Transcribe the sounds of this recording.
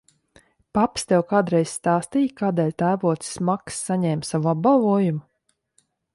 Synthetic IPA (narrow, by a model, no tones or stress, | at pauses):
papst̪ɛwkaːd̪ɾɛjsʲst̪aːst̪ijkaːd̪ɛːlʲt̪æːvuɔt̪ssmaksːaɲɛːmsavuab̚balˠvuɔjumu